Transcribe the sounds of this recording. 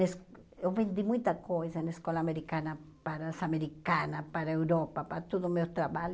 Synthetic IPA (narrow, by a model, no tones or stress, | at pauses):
es | ewβẽnd̪imũj̃t̪akojsanaeskolaːmeɾikana | paɾasameɾikanapaɾaewɾopapaɾt̪oðomewt̪ɾaβal